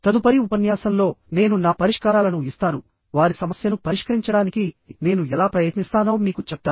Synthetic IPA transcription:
t̪ɐd̪upɐɾiupɐnjaːsɐmlo̞ːne̞ːnunaːpɐɾiʂkaːɾaːlɐnuist̪aːnu | ʋaːɾisɐmɐsjɐnupɐɾiʂkɐɾiɲt͡ʃɐɽaːnikine̞ːnuɛlaːpɾɐjɐt̪nist̪aːno̞ːmiːkut͡ʃɛp̚t̪aː

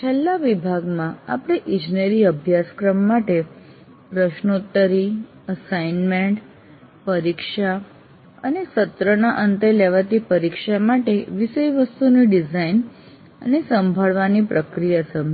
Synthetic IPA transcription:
t͡ʃʰelːaʋibʱaɡmãa̰pəɽ̃eʔɪ̃d͡ʒneɾiəbʱjaskɾəmːaʈe | pɾəʃnut̪ːəɾi | əsainmeɳʈ | pəɾikʃa | ə̰nesət̪ɾənaʔənt̪eleʋat̪ipəɾikʃamaʈeʋiʃəjʋəst̪uniɖizain | ə̰nesəmbʱaɭʋanipɾəkɾijasəmʱ

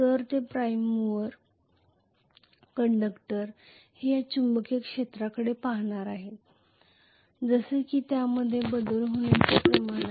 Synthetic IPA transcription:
t̪əɾt̪epɾajmʋəɾ | kəɳɖəkʈəɾ | hejat͡ɕumbəkekʂet̪ɾakəɽepaɦɳ̃aɾaɦe | d͡zəsekiːt̪jaməd̪ʱːjebəd̪əlɦoɽ̃jat͡sepɾəmaɽ̃

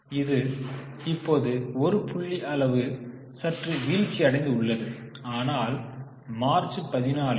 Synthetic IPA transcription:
ɪðɯ | ɪpːoːðɯɔɾɯpʊɭːiʔɐlɐʋɯ | sɐʈriʋiːlkiɐɽɛɪnd̪ɯʊɭːɐðɯaːnaːl | maːɾt͡ʃɯpɐðɪnaːl

